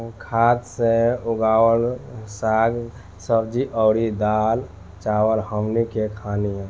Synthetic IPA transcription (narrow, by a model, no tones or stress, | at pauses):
kʰad̪seuɡaːwəlsaɡ | səbd͡ʒiʔəɾid̪al | t͡ʃawəlhəmnikekʰaniɛ̃